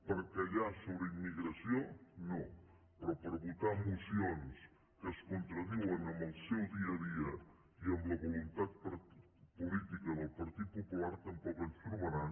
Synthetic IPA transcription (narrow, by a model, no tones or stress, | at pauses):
pəɾkɐʎasoβɾəimːiɣɾɐsjono | pɾɔpəɾβut̪amusjons | kəskunt̪ɾɐðuɐnəmbəlˠsɛwðiɐðiə | iəmləβulunt̪at̪̚pɾ | pulit̪ikɐðəlˠpɐɾt̪it̪̚pupulaɾt̪əmpɔkənfuɾmɐɾa